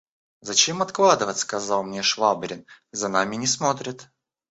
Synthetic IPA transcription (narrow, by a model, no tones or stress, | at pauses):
zɐt͡ɕemɐt̪klˠad̪ɨvət̪ʲskɐzɑlˠmnʲeʂvabɾʲɪnzɐnamʲɪnʲɪsmo̞t̪ɾʲɪt̪